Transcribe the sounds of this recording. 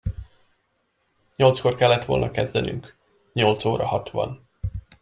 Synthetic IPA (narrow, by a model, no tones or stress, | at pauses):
ɲo̞lt̪sko̞rkɛlːɛt̪ʋo̞lnɒkɛzd̪ɛnyŋk | ɲo̞lt̪soːɾɒhɒt̪ʋɒ̰n